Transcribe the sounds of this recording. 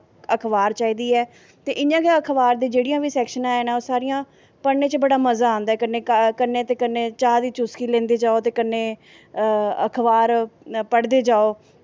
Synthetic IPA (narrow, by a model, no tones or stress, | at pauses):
əkʰʋaːɾt͡ʃaːiːd̪iːɛː | t̪eːʔɪnãːkeəkʰʋaːɾd̪iːd͡ʒeːɽɪjãːʋiːsɛːkʃənãːɛːnaːsaːɾɪjãː | pəɳːẽːt͡ʃbəɽaːməzaːãːnd̪aɛːkənːeːkənːeːt̪eːkənːeːt͡ʃaːd̪iːt͡ʃʊskiːlẽːnd̪iːd͡ʒaːoːt̪eːkənːeː | ə̰kʰʋaːɾpəɽd̪eːd͡ʒaːoː